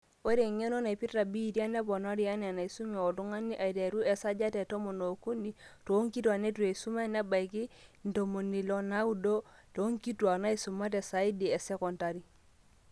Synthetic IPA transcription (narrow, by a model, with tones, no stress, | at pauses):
o˦ɾe˨ŋe˦no˦na˨i˨pi˦ta˨bi˦˨ti˦a˦nɛ˦bɔ˨no˦ɾi˦a˦n˨a˨na˨i˨su˦me˨ɔ˨tu˦ŋa˦ni˦ʔa˨i˨de˨ɾu˦ʔɛ˨sa˦d͡ʒa˦tɛ˨to˦mo˨no˨ku˦ni˨to˨˦ŋki˦tu˦a˨ne˦tu˨e˨su˦ma˦˨nɛ˦ba˨i˨ki˦n̩˨to˨mo˨ni˨lo˦na˦u˦do˦to˨˦ŋki˦twa˨na˦i˦su˨ma˦t̬ɛ˨sa˨i˦di˨ɛ˨sɛ˦kɔ˨nta˨ɾi˦